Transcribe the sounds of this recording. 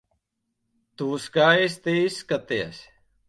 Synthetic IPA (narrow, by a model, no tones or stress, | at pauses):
t̪uːskaːest̪eiskɐt̪eɐ̰s